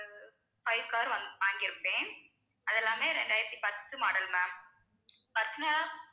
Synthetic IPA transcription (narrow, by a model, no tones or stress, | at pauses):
fɐɪʋkaːɾʋɐnd̪ʋaːŋɡɪɾɯpːẽː | ɐðɛlːaːmeːɾɛɳɖaːjɪɾɐt̪ːipɐt̪ːɯmaːɽɐlmaːm | pɐɾt͡ʃːɐnɐ